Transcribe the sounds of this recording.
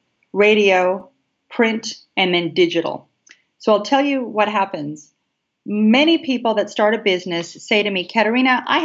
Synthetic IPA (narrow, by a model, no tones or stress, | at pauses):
ɹeɪɾioʊ | pʰɹ̥ɪ̃nt | ɨ̃nðɨ̃ndɪd͡ʒɨɾl̩ˠ | soʊaɪlˠtʰɛlˠjɨwʌt̚ɦæpɨ̃nz̥ | mɛɾ̃ipʰipl̩ˠðɨtstɑɹɾɨd̚bɪznɨsːeɪɾɨmikʰæɾə˞ĩñɨʔa̰ɪ